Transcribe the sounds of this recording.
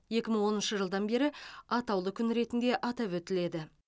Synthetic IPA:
je̞kʲɪməŋwo̞nənʃəʒəlˠd̪ɑnbe̞ɾɪɑt̪ɑwlˠəkʲʰʏnɾe̞t̪ɪnd̪e̞ʔɑt̪ɑpwɵt̪ɪle̞d̪ɪ

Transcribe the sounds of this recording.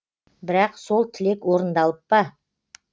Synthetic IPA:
bɪɾɑqso̞lˠt̪ʰɪle̞kwo̞ɾənd̪ɑlˠəp̚ːɑ

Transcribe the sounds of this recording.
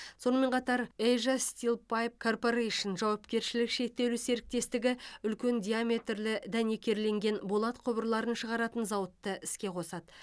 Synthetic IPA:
so̞nəme̞ɴqʰɑt̪ɑɾejʒast̪ilˠpajp̚kʰo̞rpo̞ɾejʃənʒɑwɑpkʲe̞ɾʃɪlɪkʃe̞k̚t̪ːe̞wlɪse̞ɾɪk̚t̪e̞st̪ɪɡʲɪʏlkʲe̞nd̪ʲijamʲe̞t̪rlɪd̪æne̞kʲe̞ɾle̞ŋɡʲe̞nbolˠɑt̪qʰobəɾlˠɑɾənʃəʁɑɾɑt̪ənzɑwət̪ːəʔɪskʲe̞qʰo̞sɑd̪ə

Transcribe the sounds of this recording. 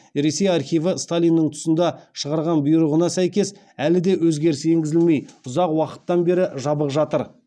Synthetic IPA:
ɾe̞se̞jɑɾχijvəst̪alʲijnːəɴt̪ʰʊ̥sənd̪ɑʃəʁɑɾʁɑnbʊjɾuʁənɑsæjkʲe̞s | ælɪd̪e̞wɵzɡʲe̞ɾsɪe̞ŋɡʲɪzɪlme̞jʊzɑqwɑqə̥t̪ːɑnbe̞ɾɪʒɑbəqʒɑt̪əɾ

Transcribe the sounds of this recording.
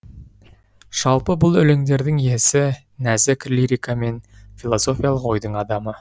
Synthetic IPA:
ʒ̥ɑlˠpəbʊlˠʏleŋd̪e̞ɾd̪ɪŋje̞sɪ | næzɪkʲrlʲiɾʲikame̞nfilˠo̞so̞fʲijalˠəqwo̞jd̪əɴɑd̪ɑmə

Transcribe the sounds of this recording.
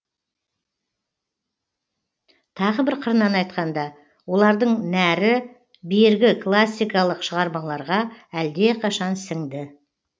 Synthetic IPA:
t̪ʰɑʁəbɪɾqʰəɾnɑnɑjt̪̚qɑnd̪ɑ | wo̞lˠɑɾd̪əɴnæɾɪ | bejɾɡʲɪklˠasʲːijkɑlˠəqʃəʁɑɾmɑɴlˠɑɾʁɑæld̪e̞qʰɑʃɑnsɪŋd̪ɪ

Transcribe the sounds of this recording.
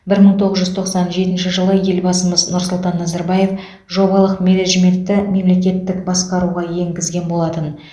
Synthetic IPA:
bɪɾməɴt̪ʰo̞ʁəzʒʏzt̪ʰo̞qsɑnʒe̞t̪ɪnʃɪʒəlˠəje̞lbɑsəməznʊɾsʊlˠt̪ɑnːɑzɑɾbɑje̞f | ʒo̞bɑlˠəqmʲe̞ne̞ʒme̞nt̪ːɪme̞mle̞kʲe̞t̪ːɪkbɑsqɑɾuʁɑje̞ŋɡʲɪzɡʲe̞nbo̞lˠɑt̪ən

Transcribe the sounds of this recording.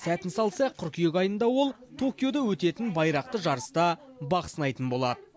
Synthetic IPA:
sæt̪ɪnsɑlˠsɑq̚ʰʏɾkʲʰijekɑjənd̪ɑwo̞lˠt̪ʰo̞kʲjo̞d̪ɑwɵt̪e̞t̪ɪnbɑjɾɑq̚t̪əʒɑɾəst̪ɑbɑqə̥sənɑjt̪ənbo̞lˠɑ̰d̪ə

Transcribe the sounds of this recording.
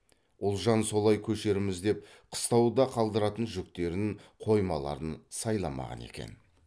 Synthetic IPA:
wʊlˠʒɑnso̞lˠɑjkʲʰɵʃe̞ɾɪmɪzd̪e̞p̚ | qʰə̥st̪ɑwd̪ɑqʰɑlˠd̪əɾɑt̪ənʒʏk̚t̪e̞ɾɪŋqʰo̞jmɑlˠɑ̰ɾənsɑjlˠɑmɑ̰ʁɑ̰ne̞̰kʲe̞̰n

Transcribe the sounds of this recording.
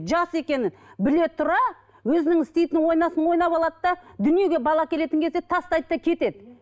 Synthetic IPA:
ʒɑse̞kʲe̞nɪnbɪle̞t̪ʰːʊɾɑ | wɵzɪnɪŋɪst̪e̞jt̪ɪnwo̞jnɑsənwo̞jnɑpɑlˠɑd̪əd̪ɑd̪ʏnije̞ɡʲe̞bɑlˠɑkʲʰele̞t̪ɪŋkʲe̞zd̪et̪ʰɑst̪ɑjd̪əd̪ɑkʲʰe̞t̪e̞d̪ɪ

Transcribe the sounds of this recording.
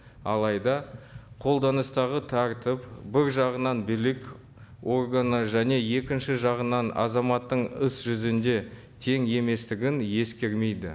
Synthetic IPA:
ɑ̰lˠɑjd̪ɑqʰo̞lˠd̪ɑnəst̪ɑʁət̪ʰɑɾt̪əpbɪɾʒɑʁənɑnbɪlɪkʲ | o̞rɡanəʒæne̞je̞kʲɪnʃɪʒɑʁənɑnɑ̰zɑmɑt̪ːəɴəsʒʏzɪnd̪e̞ | t̪ʰe̞ŋe̞me̞st̪ɪɡʲɪnje̞skʲe̞ɾme̞jd̪ɪ̰

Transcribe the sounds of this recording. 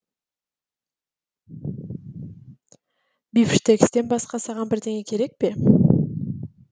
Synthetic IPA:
bifʃt̪ʰekʲst̪e̞nbɑsqɑsɑʁɑnbɪɾd̪e̞ŋekʲʰe̞ɾe̞k̚pe̞

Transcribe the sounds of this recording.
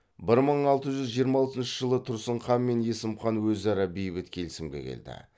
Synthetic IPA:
bɪɾməɴɑlˠt̪əʒʏzʒijəɾmɑlˠt̪ənʃəʒəlˠət̪ʰʊɾsəɴχɑnme̞nje̞sɪmχɑnwɵzɑɾɑbejbɪt̪kʲʰe̞lɪsɪmɡʲe̞̰kʲʰḛld̪ɪ̰

